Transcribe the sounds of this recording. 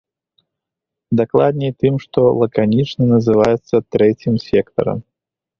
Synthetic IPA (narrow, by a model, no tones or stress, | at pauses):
d̪aklˠad̪̚nʲɛjt̪ɨmʂt̪ɔlˠɐkanʲit͡ʂnɐnɐzɨvajɛt̪sːɐt̪ɾɛt͡sʲimsʲɛkt̪ɐ̰ɾɐ̰m